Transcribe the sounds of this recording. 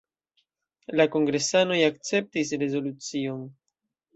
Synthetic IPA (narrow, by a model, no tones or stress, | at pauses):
lako̞ŋɡɾe̞sano̞jak̚t͡se̞p̚tis̬ɾe̞zo̞lut͡sio̞n